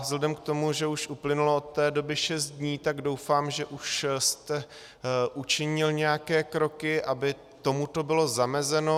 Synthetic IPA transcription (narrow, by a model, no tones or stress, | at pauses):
zlɛdɛmkt̪o̞muʒɛuʃʔuplɪnuloot̪ːɛːdo̞bɪʃɛst̪̚dɲiːt̪aɡdo̞wfaːmʒɛʔuʃst̪ɛ | ʔut͡ʃɪɲɪlɲɛjakɛːkɾo̞kɪʔabɪ | t̪o̞mut̪o̞bɪlo̞zamɛzɛno̞